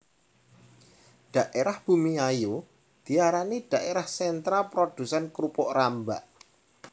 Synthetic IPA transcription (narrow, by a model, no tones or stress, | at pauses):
ɖ̥a̤ʔeɾahb̥ṳmiajo | d̪̥i̤aɾanid̥a̤ʔeɾahsɛnt̪ɾapɾod̪̥ṳsɛnkɾupɔʔrambaʔ